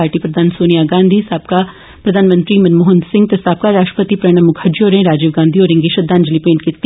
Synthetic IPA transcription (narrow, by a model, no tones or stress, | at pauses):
aːɾʈiːpɾəd̪ʱaːnsoːnijaːɡãːnd̪ʱiːsaːb̚kaː | pɾəd̪ʱaːnmə̃nt̪ɾiːmɐnmoːɦə̃nd̪sɪ̃ŋɡ̚t̪esaːb̚kaːɾaːʃʈəpət̪iːpɾɛɽ̃əmːʊkʰəɾd͡ʒoːɾẽːɾaːd͡ʒɪːʋɡãːnd̪ʱiːoːɾɪ̃ŋɡiːʃəd̪ãːnd͡ʒəliːpẽːɳʈkit̪ː